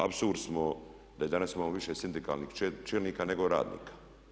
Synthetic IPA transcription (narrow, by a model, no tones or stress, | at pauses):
a̰bsuɾd̪smo | d̪ajed̪anasimamoʋiʃesind̪ika̰lniːht͡ʃeːlniːkaːneɡoɾa̰ːd̪nḭːkḁ